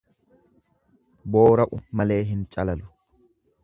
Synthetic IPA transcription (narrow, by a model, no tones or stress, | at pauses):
bo̞ːɾɐʔʊmɐle̞ːɦɪnt͡ʃʼɐlɐlʊ̥